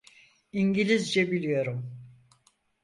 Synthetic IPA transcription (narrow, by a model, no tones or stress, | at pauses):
iɲɟilʲizd͡ʒɛbilʲijo̞ɾum